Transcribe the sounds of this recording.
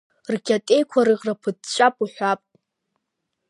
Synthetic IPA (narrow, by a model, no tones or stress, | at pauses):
rɡʲatʼe̞jkʷʰaɾɨʁrapʰɨtt͡ʃʷʼapʼuħʷapʼtʼ